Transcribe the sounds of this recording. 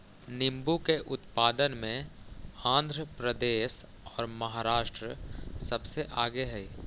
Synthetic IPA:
nɪ̃mbukeʔʊt̪paːd̪ənmẽãːnd̪ʱɾəpɾəd̪eːʃ | ɔːɾmɐɦaːɾaːʃʈɾəsɐbseʔaːɡeɦɛiː

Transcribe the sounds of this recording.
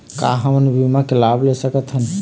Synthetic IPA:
ka̰ɦəmənbʱimakelablesəkət̪ɦən

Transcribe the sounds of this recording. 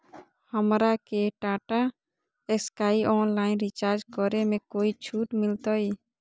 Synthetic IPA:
həmɾakeʈaːʈa | eskaːiʔɔːnlaːɪnɾit͡ʃaːɾd͡ʒkɔɾemẽkoːit͡ʃʰuːʈmɪlt̪ɔiː

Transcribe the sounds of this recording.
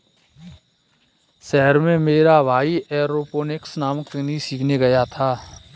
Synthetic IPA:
ʃɛɦəɾmẽmeːɾaʋʱaːiɛːɾoːpoːnɪksnaːməknĩsiːkʰneɡɐjat̪ʰaː

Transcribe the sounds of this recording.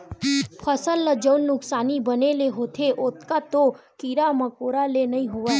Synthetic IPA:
pʰəsəlːəd͡ʒəwnːʊksanibəneleɦot̪ʰeʔot̪kat̪o | kiɾaməkoɾalenəɦĩɦoʋa

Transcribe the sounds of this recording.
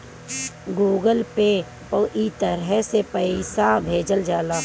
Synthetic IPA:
ɡuːɡəlpe | pəʔit̪əɾɦɛsepəɪsabʱeːd͡ʒəld͡ʒaːlaː

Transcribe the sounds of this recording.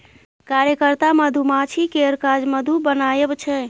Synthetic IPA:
kaɾjəkəɾt̪aməd̪ʱumat͡ʃʰikeɾkad͡ʒməd̪ʱubənajəbt͡ʃʰɛ

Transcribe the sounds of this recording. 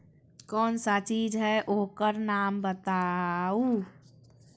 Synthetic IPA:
kɔːnsat͡ʃiːd͡ʒɦɛʔoɦkəɾnaːmbət̪au

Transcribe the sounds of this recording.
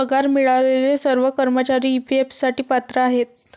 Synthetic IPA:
əɡʱaɾmiɭalelesəɾʋəkəɾmət͡ɕaɾiːpiepsaʈiːpat̪ɾəaɦet̪̚

